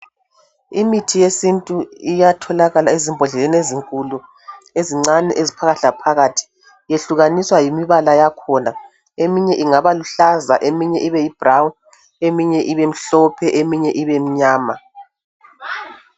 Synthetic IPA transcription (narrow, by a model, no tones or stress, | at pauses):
imitʰijesintʼuijatʰɔlaɣalaezimbʱɔɮɛleneziŋkʼulu | eziŋ͡ǀanɛʔezipʰaɣaɬapʰaɣatʰi̥ | jeɬuɣaniswajimiβalajakʰɔna | emiɲɛʔiŋaβaluɬaza̰ʔemiɲɛʔiβɛjib̥rawun | emiɲɛʔiβem̩ɬɔpʰɛʔemiɲɛʔiβem̩ɲaːma